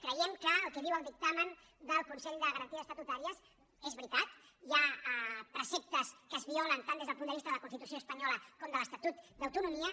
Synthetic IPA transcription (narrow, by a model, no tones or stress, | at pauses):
kɾəjɛmkəːlˠkeβiwəlˠd̪ik̚t̪amən | d̪əlˠkunsɛʎd̪əɣəɾənt̪iəst̪ət̪ut̪aɾiəs | ezβɾit̪at̪ | iapɾəsɛp̚t̪əskəːzβiɔlənt̪and̪ezðəpund̪əβist̪əðələkunst̪it̪usioəspəɲɔləkɔmd̪ələst̪at̪ut̪d̪əwt̪unumiə